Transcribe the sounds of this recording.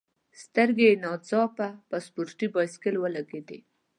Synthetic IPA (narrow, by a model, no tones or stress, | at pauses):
st̪əɾɡenɑzɑpabaspuɾʈibɑskɪlwəlaɡed̪e